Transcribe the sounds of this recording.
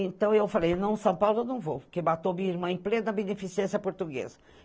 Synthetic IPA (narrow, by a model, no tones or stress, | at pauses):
ẽnt̪ɐ̃w̃ewfalejnɐ̃w̃sɐ̃w̃pawlʊewnɐ̃w̃vowʊkemat̪omĩɐiɾmɐ̃w̃ẽj̃plẽnɐbenefisiẽsjɐpoɾt̪uɡḛzɐ